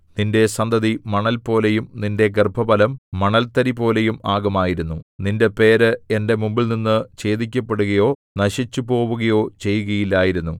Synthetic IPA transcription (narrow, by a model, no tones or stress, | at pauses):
ninde̞sɐnd̪ʱɐðimɐɳɐlpo̞ːle̞jumninde̞ɡerbʱɐbɐlɐmːɐɳɐlt̪ɐɾipo̞ːle̞jumaːɡɐmaːjiɾunːuninde̞pe̞ːɾɨe̞nde̞mumbilninːɨt͡ɕe̞ːðikʲːɐpːe̞ɽuɣɐjo̞ːnɐɕit͡ɕːupo̞ːʋuɣɐjo̞ːt͡ɕe̞jːuɣɐjilːaːjiɾunːu